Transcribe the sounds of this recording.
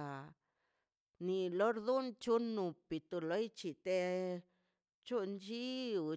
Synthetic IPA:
ni˨lo˦ɾd̪u˦nt͡ʃu˦nũ˨pi˨t̪u˧lo˧jt͡ʃi˧t̪e˧ | t͡ʃu˦nd͡ʒi˦u˧˨

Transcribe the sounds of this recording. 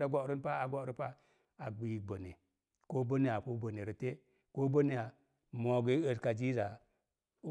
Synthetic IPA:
da˦ɡo˨ɾi˦npa˦a˨ɡo˦˨ɾi˦pa˦ | a˨ɡ͡bi˨ɡ͡bo˨ne˨ | ko˦bo˦ne˦ja˨ko˦bo˨ne˨ɾi˦te˦ | ko˦bo˦ne˨ja˨ | mo˨ɡe˦ə˨ska˨d͡ʒi˦za˨˦

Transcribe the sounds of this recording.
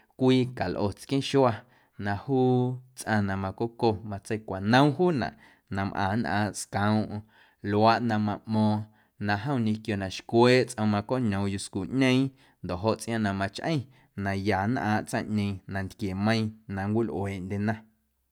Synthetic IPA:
kʷiː˧ka˨lʔo˨t͡skĩ˦ʃu˦a˧ | nã˧huː˦t͡sʔã˧nã˧mã˧ko˦ko˧mã˧t͡sə˦jkʷa˨nə̃˦w̃ɦuː˦nã̰˨ʔ | nã˧mʔã̰ː˨nʔã̰ː˧˨skã˨w̃ʔ | lwa˦ʔnã˧mã˧ʔmɔ̃ː˧˨ | nã˧ɦə̃˦w̃ɲẽ˧kjo˨nã˨ʃkweː˦t͡sʔə̃˧mã˧ko˦ɲõ˨ju˧skuː˨ʔɲẽ˦ĩ˦ | nd̪o˨ɦo˧ʔt͡sʔj̃ã˧nã˧mã˧t͡ʃʔə̰̃˦j̃ | nã˨ja˨nʔã̰ː˧˨ʔt͡sã̰˦ʔɲẽ˧ĩ˧˨nã˨nt̪kje˨mə̃˦ĩ˧nã˨ŋkʷi˦lʔw̰eː˨ʔnd̪ʲe˧nã˧

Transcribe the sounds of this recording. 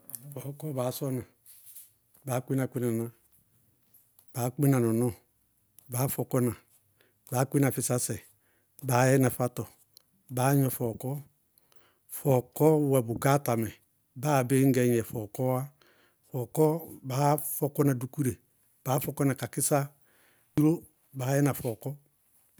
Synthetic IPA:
fɔ˨kɔ˦baː˨˦sɔ˦na˨ | ba˨˦ki˦n˦a˨kʷi˦na˨na˦ | b̥a˨˦ki˦na˨nɔ˨nɔ˦ | baː˨˦fɔ˨kɔ˦na˨ | baː˨˦kʷi˦na˨fi˨sa˦sɛ˨ | baː˨˦jɛ˦na˨fa˦tɔ˨ | baː˨˦ɲ˦ɔ˨fɔ˨kɔ˦ | fɔ˨kɔ˦wɛ˨bʊ˨ɡa˦ta˨mɛ˨ | baː˦˨be˦ŋ̩˦ɡɛ˨˦ɲ˦ɛ˨fɔ˨kɔ˦a˦ | fɔ˨kɔ˦baː˨˦fɔ˦kɔ˦na˨du˨ku˦ɾe˨ | b̥aː˨˦fɔ˨˦kɔ˦na˨ka˨kɪ˦sa˦ | u˦ɾo˦ | baː˨˦jɛ˦na˨fɔ˨kɔ˦

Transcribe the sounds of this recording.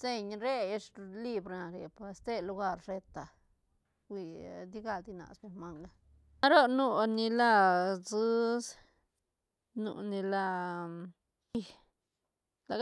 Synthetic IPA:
se˧ɲɾe˦je˧ʂli˦˧bɾna˨ɾe˨pa˧st̪e˦lu˧ɡa˧ɾre˧t̪a˨ | wʷi˧d̪i˦ɡa˧ld̪i˧na̰˨spe˧ɾma˧ŋɡa˦ | a˦ɾo˦nu˧ni˧la˦˧zɨ˦s | nṵ˧ni˧la˧ | i˧ | la˨

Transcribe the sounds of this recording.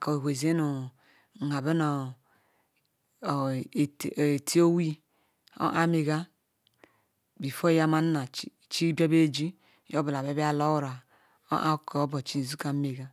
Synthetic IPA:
ka˨we˨hʷe˨ze˦nu˨ | ŋa˨be˦no˨ | tʰi˦o˦wi˦ | o̰˦ʔa˦me˨ɡa˦ | bi˨fo˦ja˦ma˦n˦na˨˦˨t͡ʃi˦bo˦be˦˨d͡ʒi˦ | jo˦bi˨la˨be˦bi˦a˦˨lo˦wɾa˨ | o̰˦ʔa˦ko˨˦bo˨t͡ʃi˦n˨zu˦ka˨˦me˨ɡa˦

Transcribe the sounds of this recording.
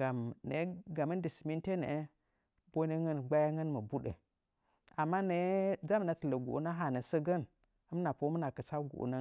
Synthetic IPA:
ɡa˨mne˨˦ɡa˨mə˦ndi˨smi˦nte˦nḛ˨˦ | bo˦nə˦ŋə˦nɡ͡ba˦ja˦ŋə˦nmə˨bu˦ɗə̰˨ | a˨mːa˦ne˨˦d͡za˦m˨na˨tə˨lə˨ɡṵ˨ʔna˦ɦa˨nə˨sə˦ɡə˦n | ə˦m˦na˨po˦mə˦na˨kə˨sa˦ɡṵ˨ʔna˦

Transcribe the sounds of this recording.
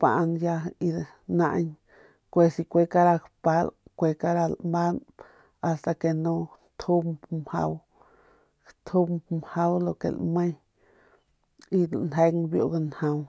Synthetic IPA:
pa̰˨ʔnja˧i˧ | nã˧ʔɲ | kʷe˧si˧kʷe˧ka˦ɾa˧kpa˧lkʷe˧ka˦ɾa˧lma˦n | a˧st̪a˧ke˧˨nũ˧ | t̪ʰhu˦mmha̰˧w | kt̪ʰu˦mmha˦wlo˧kḛ˨lmə̃˦j | i˧˨nɦe˧ŋbjo̰˧˨ɡa˧nhã˧w

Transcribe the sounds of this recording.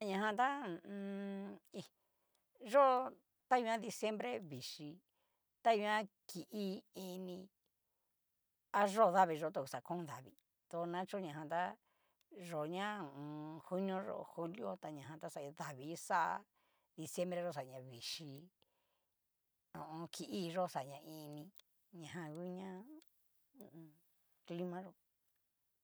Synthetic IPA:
a˧ɲã˧ɦã˧t̪ã˦˧i˧ | ʐo˦˧ | t̪a˦i˧ã˦ði˧sje˦mbɾe˦βi˨ʂi˧ | t̪a˦i˧ã˦ | ki˨ʔi˦i˧nĩ˧ | a˦ʐo˦˧ða˦βi˧ʐo˧˦t̪o˧˨˧sa˨˧kõ˦˧ða˨βi˧ | t̪o˧nã˦t͡ʃu˦ɲã˨ɦã˧t̪a˦ | ʐo˨ɲã˦˨˧hu˦nõ˦ʐo̰˧˨hu˦ljo˦t̪a˧ɲã˨ɦã˧t̪a˦sa˧i˧ða˨βi˨˦sa̰˦˧ | ði˧sje˦mbɾe˧ʒo˦˨s̬a˨ɲã˧βi˨ʃi˧ | õ˨ʔõ˧kʰi˧ʔi˦˧ʐo˦sa˨ɲã˧ĩ˧nĩ˧ | ɲã˨ɦã˧ɣu˦ɲã˦˧ | kli˦mã˦ʐo˧˨

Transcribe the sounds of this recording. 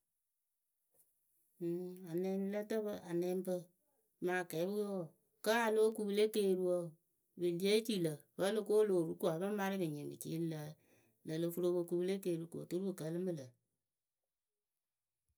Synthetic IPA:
a˨nɛ˧n˦lə˦tɨ˦bə˦ʔa˨nɛ˧˦mbə˧ | ma˨kɛ˨˦bu˦jo˦˨ | kə˦a˨lo˦ku˨bɨ˦le˦ke˦˨ɾu˦wo˦˨ | bɨ˨di˦e˦t͡ʃi˦lə˨bə˦lɨ˦ko˦lo˨ɾu˦ku˦a˨bə˦ma˦ɾɪ˦bɨ˨ɲe˨mbɨ̰˨t͡ʃḭ˦lə˨ | lə˨lɨ˧fu˦ɾo˧bə˧ku˧ble˦ke˨ɾu˨ko̰˨tu˦ɾu˦bɨ˨kə˨˦lɨ˦mɨ˦lə˨

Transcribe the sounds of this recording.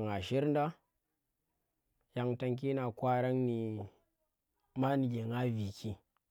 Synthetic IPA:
ŋa˨ʃi˦ɾn˦da˦ | ja˨ŋta˧ŋk̬i˦na˨kʷa˦ɾa˦ŋni˨ | ma˦ni˨ɡe˨ŋa˦vi˨kʰi˦

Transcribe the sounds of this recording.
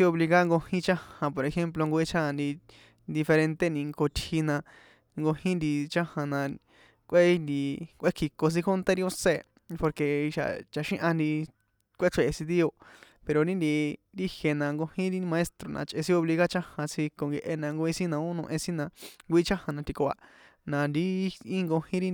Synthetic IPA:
i˦o˧βli˧ɣa˦ŋɡo˧hĩ˦t͡ʃã˦hã˧po˨ɾe˧xe˦mp̬lo˧ŋɡo˧i˦t͡ʃʰã˦a˧nd̪i˧ | d̪i˧fe˧ɾẽ˧nt̪e˦nĩ˧ŋko˧t̪hi˧nã˧ | ŋɡo˧hĩ˦nd̪i˧t͡ʃã˦hã˨nã˧ | kʷʔe˦˧nd̪i˧kʷʔe˦kʰi˧ko˧s̬ĩ˦kʰo˦nt̪e˦ɾi˧o˧se˧˨ | po˧ɾke˧i˧ʃa̰˨t͡ʃa˧ʃĩ˦ʔã˧nd̪i˧ | kʷe˦ʂʰe˨ʔe˧si˧d̪i˦o˧ | pe˧ɾo˧ɾĩ˦nd̪i˧d̪i˦hje˧nã˧ŋɡo˧hĩ˦ɾi˦˧mã˧e˦st̪ɾo˨nʔã̰˧t͡ʃʔe˧sĩ˦o˧βli˧ɣa˦t͡ʃã˦hã˧t͡sʰi˧ko˧ŋɡe˧ʔe˧nã˧ŋɡo˧i˧si˦nã˧õ˦nũ˧ʔẽ˧sĩ˦nã˧ŋɡʷi˧i˦t͡ʃã˦hã˧nã˧t̪i˧ko˧ʔa̰˧ | nã˧nd̪i˧˦ĩ˦ŋɡo˧hĩ˦ɾi˦

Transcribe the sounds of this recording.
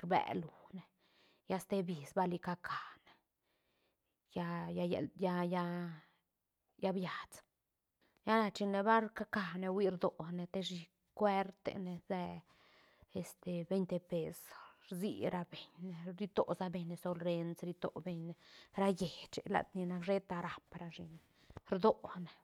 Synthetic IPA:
kbɛ̰˨lu˨ne˨ | ja˦st̪e˦bi˨sba˦li˧ka˧kʰa˨ne˨ | ja˧ja˧jḛ˨ja˧ja˧ | ja˦bja˨t͡s | ja˦na˧t͡ʃi˧ne˧ba˦ɾka˦ka˨ne˧wi˧ɾd̪o˨ne˨t̪e˦ʃi˧ | kwe˦ɾt̪ḛ˧ne˧ze˧ | e˨st̪e˨be˧jnt̪e˧pe˧sɾzḭ˧ɾa˧be˨ɲe˨ɾi˦t̪o̰˨za˦be˧ɲːe˧so˧lɾe˧nsɾi˧t̪o̰˨be˧ɲe˨ɾa˦je˨t͡ʃḛ˨la̰˨t̪ni˧na˧kʐe˦t̪a˧ɾa˨pɾa˧ʃi˧n | ɾd̪o˨ne˨

